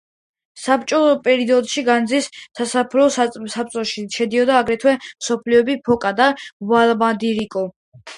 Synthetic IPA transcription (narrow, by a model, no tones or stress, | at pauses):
sapt͡ʃʼɔpʼɛɾiɔd̪ʃiɡand̪zissasapʰɾɔssap̚t͡ʃ̪ʼɔʃiʃɛd̪iɔd̪aːɡɾɛt̪ʰwɛmsɔpʰliɔbipʰɔkʼad̪avalˠmad̪iɾikʼɔ